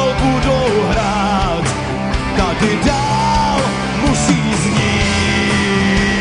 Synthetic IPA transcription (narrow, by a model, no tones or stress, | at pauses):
ɔwkudoɦɾa | t̪ | k̪adɪdal | musiːzɲiː